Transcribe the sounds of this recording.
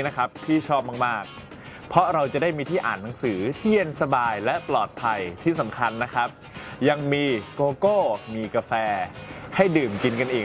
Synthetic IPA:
na˦˥kʰa˦˥p̚t̪ʰiː˥˩t͡ɕʰɔː˥˩p̚maː˥˩k̚maː˥˩k̚ | pʰɔ˦˥ɾa˧wt͡ɕa˨˩daː˥˩jmiː˧t̪ʰiː˥˩ʔa̰ː˨˩nːa˩˦ŋsɯː˩˦t̪ʰiː˥˩ə˧nsa˧baː˧jlɛ˦˥ʔplɔː˨˩t̪̚pʰa˧jt̪ʰiː˥˩sa˩˦mkʰa˧nːa˦˥kʰa˦˥p̚ | ja˧ŋmiː˧koː˧koː˥˩miː˧ka˧fɛː˧ha˥˩jdɯː˨˩mki˧nka˧nʔiː˨˩

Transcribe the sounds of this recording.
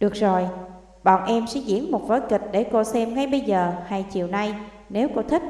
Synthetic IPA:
ɗɨ˨˩ək̚zo˨˩j | ɓa̰ː˧˨nʔɛ˧msɛ̰˧˥zḭ˧˥ənmo˨˩t̚vo˨˦jkï˨˩k̟̚ɗe˧˩ko˧sɛ˧mŋa˧jɓə˧jzəː˨˩haː˧jt͡ɕḭ˧˨əwna˧j | ne˨˦wko˧t̪ʰï˦˥k̟̚

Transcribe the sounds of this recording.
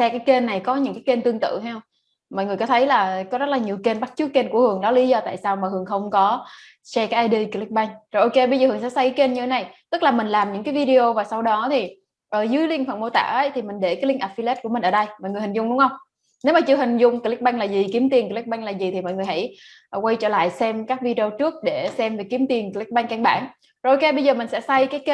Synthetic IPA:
sɛ˧kaː˨˦jke˧nːa˨˩jkɔ˨˦ɲɨ̰˧˥ŋkaː˨˦ke˧nt̪ɨ˧əŋt̪ɨ̰˧˨ha˧hw | mɔ̰˧˨jŋɨ˨˩əkɔ˨˦t̪ʰə˨˦jlaː˨˩kɔ˨˦zə˦˥t̚laː˨˩ɲi˨˩əwke˧nɓa˦˥t̚t͡ɕɨ˦˥k̚ke˧nku˧˩əhɨ˨˩əŋɗɔ˨˦li˨˦zɔ˧t̪a̰ː˧˨jsaː˧wmaː˨˩hɨ˨˩əŋxə˧wŋ͡mkɔ˨˦ | sɛ˧kaː˨˦jʔaː˧jɗi˧ki˧li˦˥k̚ɓa˧jŋ̟zo˨˩jʔo˧ke˧ɓə˧zəː˨˩həŋsɛ̰˧˥sa˧˦jkːke˧nɲɨ˧tʰe˨˦na˨˩jt̪ɨ˦˥k̚laː˨˩mï˨˩ŋ̟laː˨˩mɲɨ̰˧˥ŋkaː˨˦jvi˧ɗi˧o˧vaː˨˩sa˧wɗɔ˨˦t̪ʰi˨˩ | ʔəː˧˩zɨ˨˦jli˧əŋfə̰˧˩nmo˧t̪a̰ː˧˩ʔə˨˦jt̪ʰi˨˩mï˨˩ŋ̟ɗe˧˩ka˨˦li˧ŋʔa˨˩fi˧lɛ˦˥t̚ku˧˩əmi˨˩ŋ̟ʔəː˧˩ɗə˧jmɔ̰˧˨jŋɨ˨˩hi˨˩ŋ̟zʊ˧wŋ͡mɗʊ˨˦ŋ͡mʔə˧wŋ͡m | ne˨˦wmaː˨˩t͡ɕɨ˧əɦï˨˩ŋ̟zʊ˧ŋ͡mkːl̚ɓa˧jŋ̟laː˨˩zi˨˩ki˨˦əmt̪i˨˩ənkə˨˧˩li˦˥k̚ɓa˧jŋ̟laː˨˩zi˨˩t̪ʰi˨˩mɔ̰˧˨ŋɨ˨˩jha̰˧˥j | kwa˧jt͡ɕəː˧˩la̰ː˧˨jsɛ˧mkaː˦˥k̚vi˧ɗi˧o˧t͡ɕɨ˦˥ək̚ɗe˧˩sɛ˧mve˨˩ki˨˦mt̪i˨˩ənki˧li˦˥k̚ɓa˧jŋ̟ka˧ŋɓa̰ː˧˩n | zo˨˩ʔo˧ke˧ɓə˧jzəː˨˩mï˨˩ŋ̟sɛ̰˧˥sa˧jkaː˨˦jke˧

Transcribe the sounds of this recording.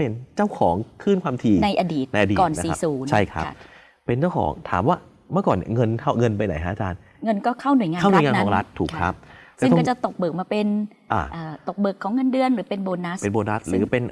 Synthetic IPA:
pe˧nt͡ɕaː˥˩wkʰɔː˩˦ŋkʰɯː˥˩nkʰwaː˧mt̪ʰiː˧na˧jʔa˧diː˨˩t̪̚na˧jʔa˧diː˨kɔː˨˩nn˦sḭː˨˦˩suː˩˦nt͡ɕʰa˥˩jkʰɾa̰˦˥˧ | pe˧nt͡ɕaː˥˩wkʰɔ̰ː˩˦ŋt̪ʰa̰ː˨˩˦mwaː˥˩ | mɯ˥˩əkɔː˨˩nḭ˧˩ŋɤ˧nkʰa˥˩wŋɤ˧npa˧jna˨˩˦jha˦˥ʔa˨t͡ɕa̰ː˧n | ŋɤ˧nkɔː˥˩kʰa˥˩wnu˨˩˦jŋaː˧a˥˩wn˨˩˨ŋaː˧nkːɔː˧˩˦ɾa˦˥t̪ʰːuː˨˩kʰːɾa̰˦˥p̪̚ːkːt͡ɕa˨˩t̪o˨˩k̚bɤː˨˩k̚maː˧pe˧n | ʔa̰ː˧˩ʔaː˨˩t̪o˨˩k̚bɤː˨˩kʰːɔː˩˦ŋːɤ˧ndɯ˧ənɾɯː˩˦pe˧nboː˧nːa˦˥spe˧nboː˧nɾa˦˥t̪̚ɾɯː˨˦pe˧n

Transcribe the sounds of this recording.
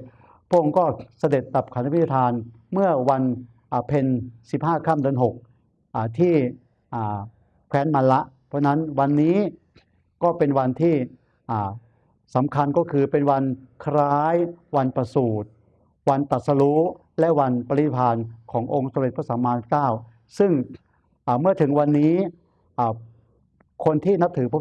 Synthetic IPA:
pʰɔ˥˩ʔo˧kɔː˥˩sa˧de˨˩t̪̚da˨˩p̚kʰa˨˦na˦˧pʰi˦t̪ʰːa˧t̪ʰaː˧n | mɯ˥˩ɐwa˧n | ʔaː˨˩pʰe˧nsi˨˩p̚haː˥˩kʰaː˥˩mdɯ˧ənɦo˨˩k̚ | ʔaː˨˩t̪ʰiː˥˩ | ʔaː˨˩ | kʰwɛː˦˥nma˧nla˦˥ʔpʰɔː˦˥˩na˦˥nwa˧nːiː˦˥ | kɔː˥˩pe˧nwa˧nt̪ʰiː˥˩ | ʔaː˨˩ | sa˩˦mkʰa˧nkɔː˥˩kʰɯː˧pe˧nwa˧nkʰɾaː˦˥jwa˧npɾa˧suː˨˩t̪̚ | wa˧nt̪a˨˩t̪̚sa˧lu˦˥ | lɛ˦˥ʔwa˧npa˧li˦˩pʰaː˧nkʰɔː˩˦ŋʔo˧ŋso˧˦mɾe˨˩t̪̚pʰa˥˩saː˩˦maː˧kaː˥˩w | sɯ˥˩ŋ | ʔaː˨˩mɯ˥˩ɐt̪ʰɯ˩˦ŋwa˧nːiː˦˥ | ʔaː˨˩ | kʰo˧nt̪ʰiː˥˩na˦˥p̚t̪ʰɯː˩˦pʰɔ˦˥

